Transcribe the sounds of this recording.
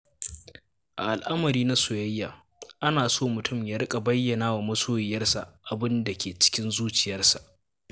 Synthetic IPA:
ʔa̰˨ʔa˨lʔa˦mɐ˨ɾiː˦na˦sʊ˨jɐ˦jːaː˨ | ʔa˦naː˨soː˦mʊ˨tʊ˦˨mja˦ɾkʼa˨bɐ˦jːɐ˨naː˦wa˨mɐ˦soː˦jɪ˨jɐ˦rsa̰˨ʔʔa˨bɪ˦nda˨kʲeː˨t͡ʃɪ̥˦kʲɪ˦nzuː˦t͡ʃɪ˨jɐ˦rsa˨ʔ

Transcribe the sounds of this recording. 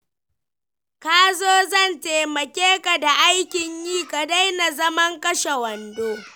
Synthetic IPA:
kaː˦zoː˦zɐ˦˨nteː˨mɐ˨kʲeː˦ka˨da˨ʔa˦jkʲɪ˨ɲjiː˦ka˨da˦jna˨zɐ˦mɐ˦ŋkʼɐ˦ʃe˨wɐ˨ndoː˦

